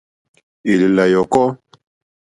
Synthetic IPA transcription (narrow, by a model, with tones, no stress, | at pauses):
i˨li˨la˨jɔ˨kɔ˦